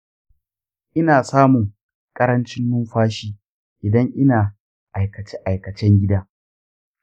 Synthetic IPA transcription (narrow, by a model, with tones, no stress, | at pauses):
ʔɪ˦naː˨saː˦mʊ˨ŋ | kʼɐ˦ɾɐ˦nt͡ʃɪ˦nːʊ˦mɸaː˦ʃiː˦ | ʔɪ˨dɐ˦ŋʔɪ˦naː˨ | ʔa˨jkɐ˨t͡ʃɛ˦ʔa˨jkɐ˨t͡ʃɛ˦ŋɡʲɪ˦daː˦